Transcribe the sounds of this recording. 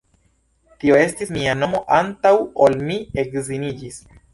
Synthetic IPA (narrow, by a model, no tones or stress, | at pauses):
tio̞e̞stismiano̞mo̞ʔantawo̞lmie̞kzinid͡ʒis